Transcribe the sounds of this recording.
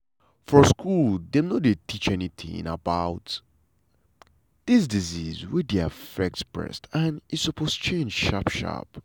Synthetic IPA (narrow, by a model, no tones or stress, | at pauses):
fɔskʰuldɛ̃mnodetʰit͡ʃɛniθʰɪ̰̃ŋa̰baʊt | ð̥is̬dizizwidiafɛk̚tspɹɛ̰stə̃nisəpʰostu̥t͡ʃʰẽnd͡ʒʃapʃa̰p